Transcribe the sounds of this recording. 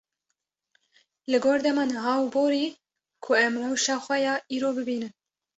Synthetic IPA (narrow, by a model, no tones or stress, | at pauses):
lɨɡoːɾd̪ɛmɑːnɨɦɑːuboːɾiː | kʰʊɛmɾowʃɑːxʷɛjɑːʔiːɾoːbɨbiːnɨn